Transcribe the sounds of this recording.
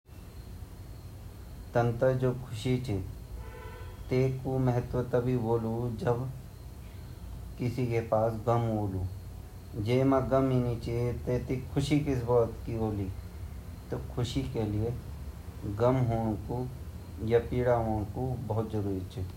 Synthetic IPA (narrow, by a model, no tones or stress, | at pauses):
t̪ɐ̃nt̪əd͡ʒoːkʰʊʃit͡ʃʰe | t̪eːkomɛɦət̪ʋət̪ɐbʱiboːlud͡ʒɐb | kɪsikepaːsɡɐmɦoːluː | d͡ʒeːmãɡəmiːnit͡ʃʰet̪eːt̪ikʰʊʃikɪs̬bɔːt̪kiboːli | t̪okʰʊʃikelie | ɡɐmɦoːɽ̃ko | japiːɽaːɦoːɽ̃kubɐɦʊt̪̚d͡ʒəɾuːɾit͡ʃʰe